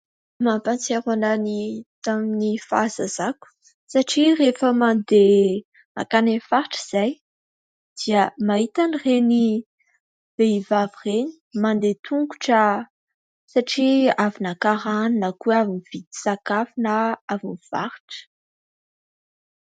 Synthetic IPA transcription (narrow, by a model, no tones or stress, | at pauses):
mampant͡seɾwananit̪aminifazaz̥aku̥ | saʈ͡ʂirefəmand̪e | na̰kanenfaɾʈ͡ʂəz̥aj | d̪̥iəmaɦit̪anireni | v̥eivavireni̥mand̪et̪ʰuŋɡuʈ͡ʂə | saʈ͡ʂiavinakaɾaninəkueavunv̥id̪i̥sakafinəavunv̥a̰ɾiʈ͡ʂə̥